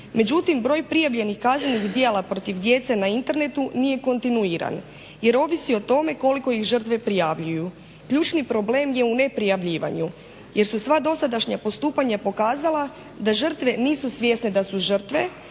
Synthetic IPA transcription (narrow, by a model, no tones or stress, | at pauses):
me̞d͡ʑut̪imbɾo̞ːjpɾijaʋʎe̞nixkazneniɣd̪jeːlˠapɾo̞t̪iʋd̪je̞t̪senaint̪e̞ɾne̞t̪unije̞ko̞nt̪inuiɾa̰n | je̞ɾo̞ːʋisio̞t̪o̞me̞ko̞liko̞ixʒər̩t̪ʋe̞pɾijaːʋʎuju | kʎuːt͡ʃnipɾo̞ble̞ːmje̞une̞pɾijaʋʎiːʋa̰ɲu | je̞ɾsusʋad̪o̞sad̪aʃɲapo̞st̪uːpaɲapo̞kaːzalˠa | d̪aʒər̩t̪ʋe̞niːsusʋje̞sne̞d̪asuʒər̩t̪ʋe̞